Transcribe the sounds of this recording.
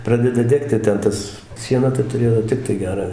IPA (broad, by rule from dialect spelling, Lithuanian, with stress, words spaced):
ˈprɑːdʲɛdɐ ˈdʲæːktʲɪ tʲɛn ˈtɐs ˈʃʲiɛnɐ tɐ tʊˈrʲeːjoː ˈtʲɪktɐɪ ˈɡʲæːrɑː ˈʋʲɛʃt